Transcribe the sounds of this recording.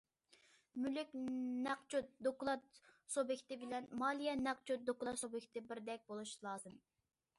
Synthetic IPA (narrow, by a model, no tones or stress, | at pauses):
mylykʲnæq̚t͡ʃʰut̪̚d̪oklˠɑt̪sobɪkʲt̪ɪbɪlɛnmɑlˠijɛnæq̚t͡ʃʰut̪̚d̪oklˠɑt̪sobɪkʲt̪ɪbɪɾd̪ɛk̚ʲbolˠuʃlˠɑːzɨm